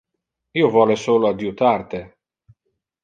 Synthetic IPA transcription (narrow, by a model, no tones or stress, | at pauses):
iːovɔːlesoːload̪jut̪art̪e